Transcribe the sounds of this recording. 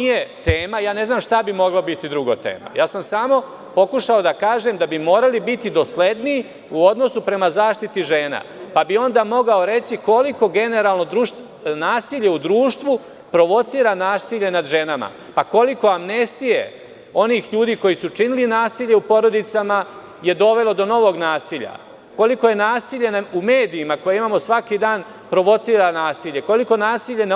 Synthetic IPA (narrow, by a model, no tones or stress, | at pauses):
nijet̪eːmajaːne̞znaːmʃt̪abimo̞ɡlabit̪id̪ɾuɡot̪ḛːma̰jaːsamsaːmo̞ | po̞kuʃaod̪akaːʒe̞md̪abimoːɾalibit̪id̪o̞sle̞d̪niː | uo̞d̪nosupɾe̞mazaːʃt̪it̪iʒeːna̰ | pabio̞nd̪aːmo̞ɡao̞ɾe̞t͡ɕiko̞liko̞ɡe̞ne̞ɾaːlˠno̞d̪ɾuːʃ | naːsiːʎeud̪ɾuːʃt̪ʋu | pɾo̞ʋo̞t̪siːɾanaːsiʎe̞nad̪ʒe̞nama̰ | pako̞liko̞amnest̪ije̞̰ | o̞niːxʎuːd̪iːko̞jisut͡ʂinilinaːsiːʎe̞upo̞ɾo̞d̪it̪sama | je̞d̪o̞ʋe̞lo̞d̪o̞no̞ʋo̞ɡnaːsiːʎa̰ | ko̞liko̞je̞naːsiːʎe̞naume̞ːd̪iimako̞jeimaːmo̞sʋakiːd̪aːn | pɾo̞ʋo̞t̪siːɾanaːsiːʎe̞ko̞liko̞naːsiːʎe̞na